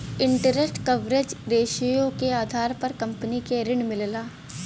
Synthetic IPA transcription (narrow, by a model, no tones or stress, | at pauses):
ɪ̃ɳʈəɾesʈkɐʋɾed͡ʒɾeːʃijõkeaːd̪ʱaːɾpɐɾkɐ̃mpənikeɾɪɳmɪllaː